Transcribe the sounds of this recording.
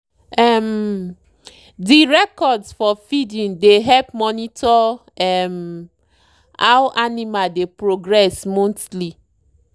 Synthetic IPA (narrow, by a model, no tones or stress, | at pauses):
ɛm | diɹɛkɔdsfɔfidĩndeɦɛlpmɔnitʰɔɛm | a̰wʔanimadepɹoɡɹɛsmõntli